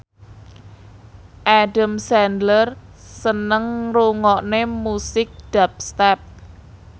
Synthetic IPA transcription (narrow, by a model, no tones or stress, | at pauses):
ʔaɖamsɛndlər | sənəŋruŋɔʔnemusɪk̚d̥ap̚st̪ɛp̚